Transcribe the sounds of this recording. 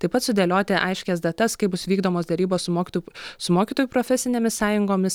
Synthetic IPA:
t̪ɐɪpɐt̪sʊd̪ʲeːlʲoːt̪ʲɪʔɐɪʃʲkʲɛs̬d̪ɐt̪ɐskɐɪbʊsʋʲiːɡd̪oːmoːsd̪ʲɛɾʲiːboːssʊmoːkʲt̪sʊmoːkʲiːt̪oːjupɾoːfʲɛsʲɪnʲeːmʲɪssɑːjʊŋɡoːmʲɪs

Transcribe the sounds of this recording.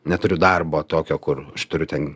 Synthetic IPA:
nʲɛt̪ʊɾʲʊd̪ɐrboːt̪oːkʲoːkʊrɐʃt̪ʊɾʲʊt̪ʲɛn

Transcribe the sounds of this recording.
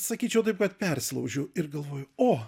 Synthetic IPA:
sɐkʲiːt͡ʃʲɛʊt̪ɐɪp̚kɐt̪pʲɛrʲsʲlˠɐʊʒʲʊɪɾɡɐlˠʋoːjʊoː

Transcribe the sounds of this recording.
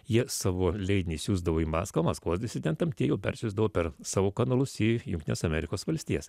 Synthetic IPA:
jiɛsɑːʋoːlʲɛɪd̪ʲɪnʲɪsʲuːzd̪ɐʋoːimɑ̰ːskɐmɐskʋoːsʲd̪ʲɪsʲɪd̪ʲɛnt̪ɐmt̪ʲiɛjɛʊpʲɛ̰ɾʲsʲʊzd̪ɐʋoːpʲɛɾsɑːʋoːkɐnɐlˠʊsijʊŋktʲɪnʲoːsɐmʲɛɾʲɪkoːsʋɐlʲsʲt̪ʲiːɛs

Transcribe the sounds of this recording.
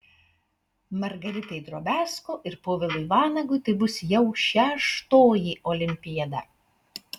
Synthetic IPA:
mɐɾɡɐɾʲɪt̪ʲɐɪd̪ɾoːbʲæːskoːʔɪɾpoːʋʲɪlˠʊɪʋɑːnɐɡʊɪt̪ɐɪbʊsjɛʊʃʲɛʃt̪oːjiːʔɔlʲɪmʲpʲɪjɛd̪ɐ

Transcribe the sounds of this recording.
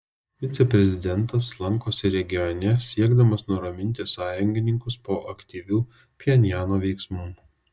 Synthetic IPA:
ʋʲɪt̪sʲɛpʲɾʲɛzʲɪd̪ʲɛnt̪ɐs̬lˠɐŋkoːsʲɛɾʲɛɡʲɪjɔnʲɛsʲiɛɡd̪ɐmɐsnʊɾɐmʲɪnʲt̪ʲɪsɑːjʊŋʲɡʲɪnʲɪŋkʊspoːʔɐkt̪ʲiːʋʲuː | pʲɪɛnʲɪjæːnoːʋʲɛɪksmuː

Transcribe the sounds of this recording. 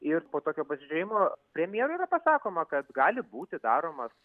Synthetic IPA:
ɪrpoːt̪oːkʲoːpɐsʲɪʒʲɛjɪmoːpʲɾʲɛmʲjeːɾuiːɾɐpɐsɑːkoːmɐkɐt̪ɡɑːlʲɪbuːt̪ʲɪd̪ɑːɾoːmɐs

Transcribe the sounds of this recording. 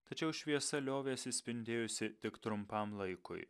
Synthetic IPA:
t̪ɐt͡ʃʲɛʊʃʲʋʲiɛsɐlʲoːʋʲeːɐt̪sʲɪsʲpʲɪnʲd̪ʲeːjʊsʲɪt̪ʲɪkt̪ɾʊmpɐmlˠɐɪkʊ̰ɪ

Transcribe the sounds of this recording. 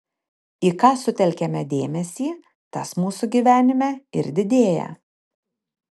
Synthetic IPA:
iːkɑːsʊt̪ʲɛlʲkʲɛmʲɛd̪ʲeːmʲɛsʲiː | t̪ɐsmuːsuɡʲiːʋʲæːnʲɪmʲɛɪ̰ɾd̪ʲɪd̪ʲeːjɛ̰

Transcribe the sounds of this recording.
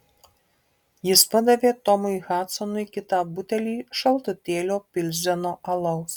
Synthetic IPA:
jispɐd̪ɐʋʲɛt̪ɔmɨjɣat̪sɔnujkʲit̪abut̪ʲɛlʲiʃɐlˠt̪ɨt̪ʲelʲɔpʲilʲzʲɛnɔʔɐlˠɔw

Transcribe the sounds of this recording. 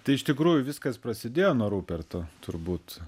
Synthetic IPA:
t̪ɐɪɪʃt̪ʲɪkɾuːjʊʋʲɪskɐspɾɐsʲɪd̪ʲeːjoːnuɔɾuːpʲɛrt̪oːt̪ʊrbuːt̪

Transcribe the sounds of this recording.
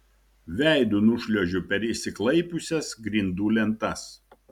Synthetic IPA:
ʋʲæˑɪd̪unʊʃʲlʲuɔʒʲʊpʲɛɾɪʃʲsʲɪklˠɐɪpʲʊsʲɛsɡɾʲɪnd̪uːlʲɛnt̪ɐs

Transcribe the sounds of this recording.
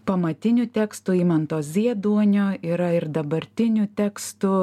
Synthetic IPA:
pɐmɐt̪ʲɪnʲʊt̪ʲɛkst̪ʊiːmɐnt̪oːzʲiɛd̪uɔnʲoːiːɾɐɪɾd̪ɐbɐɾʲt̪ʲɪnʲʊt̪ʲɛːkst̪ʊ

